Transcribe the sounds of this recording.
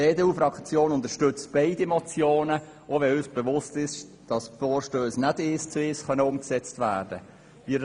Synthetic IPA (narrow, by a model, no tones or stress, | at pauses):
eːdeuːfɾɑkt͡sjoːnʊnt̪əʃtʏt͡st̚b̥ɛɪdimɔt͡sjoːnə | ovɛøsb̥əvʊstɪʃ | d̥ɑsfoːɾʃtøːsnædest͡sesχœnəʊmksɛt͡stvæːɾdə | ʋiːɾ